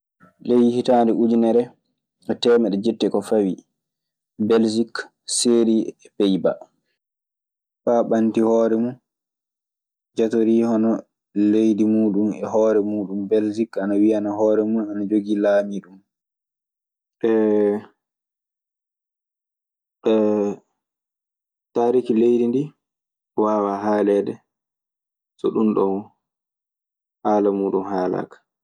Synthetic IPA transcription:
lejihitandɛʔud͡ʒinɛɾɛ | ʔɛtɛːmɛɗɛd͡ʒetːɛkɔfawi | bɛld͡ʒik | seːɾiɛpɛjba̰ | paɓantihɔːɾɛmun | d͡ʒatoɾihɔnɔ | lejdimuːɗumɛ̰ɦɔːɾɛmuːɗumbɛld͡ʒikanawianaɦɔːɾɛmuuanad͡ʒoɡilaːmiɗum | ɛ | ɛ | taːɾikilejdindi | waːwaɦaːlɛɗɛ | sɔɗunɗɔn | haːlamuːɗumhaːla̰kḁ

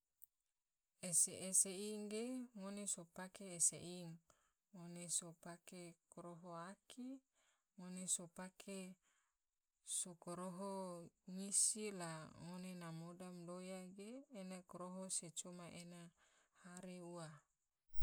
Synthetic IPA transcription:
eseʔːseiŋɡeŋonesopakeːsḛʔiŋ | ŋonesopakekoɾoɦoaki | ŋonesopakʰe | sokoɾoɦoŋisilaŋonenamodamdojaɡeːnakoɾoɦoset͡ʃomaʔenahaɾeua

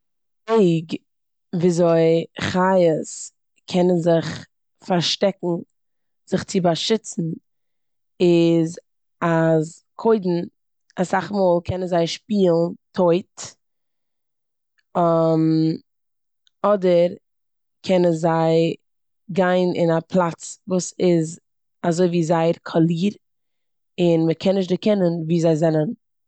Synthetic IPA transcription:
eɪɡ | viːzoɪχajəs | kʰɛnənzɪχ | faɾʃtɛkŋ̩ | z̥ɪχt͡sɪbaʃɪt͡sn̩ | ɪz | az | kʰoɪdn̩ | asaχmoːlˠkʰɛnənzaɪʃpiːlˠntʰoɪt | m | ɔdəɾ | kʰɛnənzaɪ | ɡaɪnʔɪ̰napʰlˠat͡svuːsɪz | azoɪviːzaɪɾkʰɔlˠiːɾ | ɪnməkʰɛnːɪʃ̬tdɪkɛnənviːzaɪzɛnən

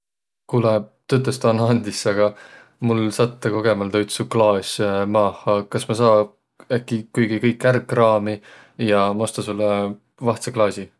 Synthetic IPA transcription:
kuːlɛt̪yt̪ːˑest̪ɑnɑnd̪isɑɡ̥ɑ | mulsɑt̪ːɑko̞ɡ̥e̞mɑld̪ɑyt̪suklɑːsʲmɑːhɑkɑsmɑsɑː | ækːˑikujɡ̥ikɤjkːˑærkːˑrɑːmi | jɑmost̪ɑsulːe | vɑht̪seklɑːsʲi

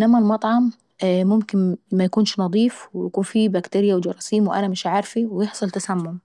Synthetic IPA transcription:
ʔɪnːæmælmɑt̪ˤʕɑm | mʊmkɪnmæjakuːnʃnɑd̪ˤiːfwɪjakuːnfibækt̪eɾɪjawɪd͡ʒɑɾˤɑsiːmwɪʔæ̰næmɪʃʕaɾfiwɪjɪħsˤɑlt̪æsæmːʊm

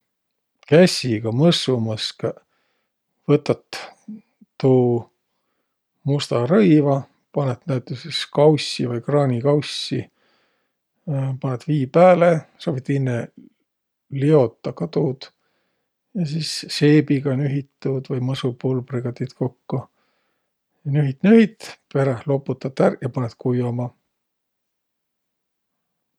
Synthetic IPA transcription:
kæsʲiɡ̥ɑmɤsumɤske | vɤt̪ːˑɑt̪ː | uː | must̪ɑɾɤjvɑ | pɑnet̪næyt̪ːˑeseskɑwsʲivɯjkrɑːnʲikɑwsːi | pɑnet̪viːpæːlesoːbit̪inːe | lio̞t̪ːˑɑkɑt̪ud̪̥ | jɑsisse̞ːbiɡɑnyɦit̪ːˑud̪̥vɯjmɤsupulbriɡ̥ɑt̪it̪ko̞kːo | jɑnyɦit̪ˑnyhit̪pe̞ɾehlo̞pːˑut̪ːˑɑt̪æɾjɑpɑnet̪kujomɑ

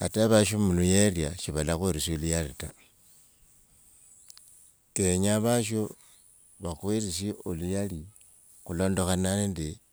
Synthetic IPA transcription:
a̰taβaʃomulujerjaʃiβalaxweɾisiolujalita | eɲaβaʃo | βaxwiɾisiolujali | xulo̞ːndo̞xananendi

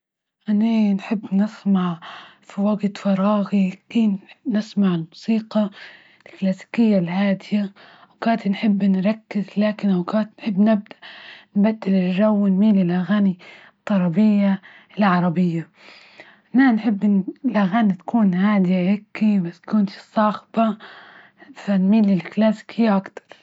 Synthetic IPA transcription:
ʔananħɪbːnɪsmaʕfiwaɡt̪fɑɾˤɑːɣikiːnnɪsmaʕɪlmʊsiːqɑ | lklaːsi̥kɪjːalhaːd̪ɪjawkaːt̪inħɪbːnɾˤɑkːɪzlaːkɪnʔawkaːt̪nħɪbːnɪb̚d̪anbad̪ːɪlɪlʒawːnmiːlilʔaɣaːni | t̪ˤːɑɾˤɑbɪjːa | ɪlʕɑɾˤɑbɪjːa | nanħɪbːlʔaɣaːnit̪ḁkuːnhaːd̪ɪjahekːibaskʊnt̪i̥sˤɑːxba | fanmiːlilklaːsi̥kʰɪjːaʔakt̪ɑ̥ɾˤ

